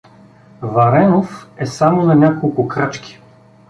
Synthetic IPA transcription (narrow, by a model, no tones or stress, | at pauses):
vɐɾɛnofɛsamonɐnʲakolˠkʊkɾat͡ʃkʲi̥